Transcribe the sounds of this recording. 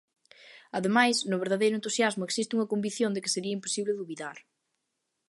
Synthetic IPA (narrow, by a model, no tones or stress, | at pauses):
ɐðemajsnʊβeɾðaðejɾʊẽnt̪usjazmʊeksist̪ɪuŋɐkombiθjõnd̪ɪkɪ̥seɾiɐimpo̥siβlɪðuβiðaɾ